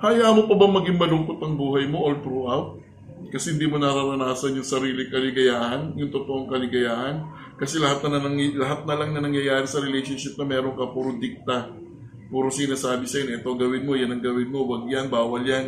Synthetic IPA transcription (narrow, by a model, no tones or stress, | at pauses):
haːjamopɐbɐŋmɐɡɪŋmɐlʊŋkot̪ɐŋbuːɦɐjmoʔolt̪ɾuʔawt̪̚ | kɐsɛhɪnd̪iːmonɐɾɐɾɐnaːsɐnjʊŋsɐɾiːlɪkɐlɪɡɐjaːʔɐnjʊŋt̪ʊt̪oʔoŋkɐlɪɡɐjaːʔɐn | kɐsɛlɐɦat̪̚nɐnɐɐŋlɐɦat̪̚nɐlɐŋnɐnɐŋjɐjaːɾɪsɐɾɛlɛjʃonʃɪp̚nɐmɛːɾo̞ŋkɐpuɾod̪ɪk̚t̪ɐ | puːɾosɪnasaːbɪsɐjonʔɛt̪o̞ɡɐwɪnmo̞janɐŋɡɐwɪnmo̞wɐɡjanbaːwɐljan